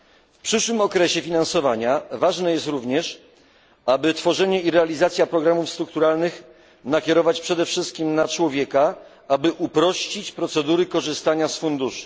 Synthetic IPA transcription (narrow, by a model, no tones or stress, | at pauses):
fpʂɘʂwɘmɔkɾɛɕɛfʲinãnsɔvaɲavaʐnɛjɛst̪ɾuvɲɛʂ | abɘt̪fɔʐɛɲɛiɾɛalʲizat̪sʲjapɾɔɡɾamufst̪ɾuk̚t̪uɾalnɘx | nakʲɛɾɔvat͡ɕpʂɛd̪ɛfʂɘst̪̚kʲimnat͡ʂwɔvʲjɛka | abɘʔupɾɔɕt͡ɕit͡ɕpɾɔt̪sɛd̪uɾɘkɔʐɘst̪aɲasfund̪uʂu̥